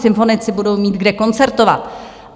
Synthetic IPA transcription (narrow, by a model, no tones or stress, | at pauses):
sɪɱfo̞nɪt͡sɪbudo̞wmiːd̪ɡdɛko̞nt͡sɛɾt̪o̞va̰t̪